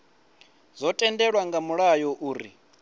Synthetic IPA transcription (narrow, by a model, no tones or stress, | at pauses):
zɔtʼɛndɛɺwaŋɡamuɺajɔʔuːɾḭ